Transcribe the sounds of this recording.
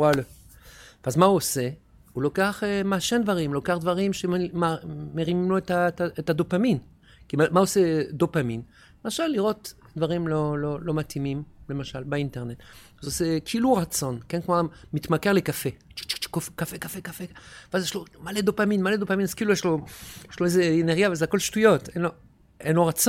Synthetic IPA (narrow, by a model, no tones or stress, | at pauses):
wala | veazmauose̞ | ulokeaχemaːʃend̪vaʁimlokeaχd̪vaʁimʃemameʁimimloetataetad̪opamin | kimamauosed̪opamin | emaʃalːiʁo̞t̪ | d̪vaʁimlololo̞mat̪himimlemaʃalbeinteʁne̞t̪ | azosekʰiiluʁat͡so̞nkenkmomit̪make̞ʁlekafet͡ʃt͡ʃt͡ʃkofkafekafekafeveazjeɛʃlomaled̪opaminmaled̪opaminaz̥kiilujeʃlojeʃloezeeneʁɡjavezeako̞lʃtujotenlo | enloʁat͡s